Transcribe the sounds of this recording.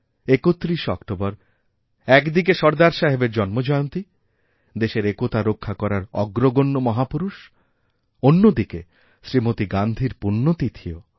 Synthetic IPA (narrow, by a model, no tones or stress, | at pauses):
ekot̪ːɾiʃɔ̰kʈobɔɾ | ɛkd̪ik̬eʃɔɾd̪aɾʃaɦebeɾd͡ʑɔnmod͡ʑɔeont̪i | d̪eʃeɾekot̪aɾokʰːakɔɾaɾɔɡɾoɡonːomɔɦapuɾuʃ | onːod̪ike | ʃɾimot̪iɡand̪ʱiɾpunːot̪it̪ʰio